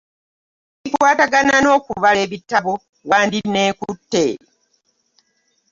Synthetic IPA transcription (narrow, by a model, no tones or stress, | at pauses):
ikwaːtaɡanano̞ːkuβaleβitːaβo | waːndinːe̞ːkutːe̞̰ːɾe